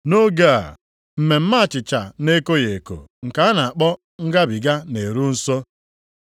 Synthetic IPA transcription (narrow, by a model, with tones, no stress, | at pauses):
no˦ɡa˦a̰˨ | m̩˨me˨m̩˦ma˦a˨t͡ʃɪ˨t͡ʃa˨ne˦ko˦je˨ko̰˨ŋ̩˨ka˨˦a˦na˨a˨k͡pɔ˦ | ŋ̩˦ɡa˦bi˨ɡa˦ne˨ɾu˦n̩˦so˦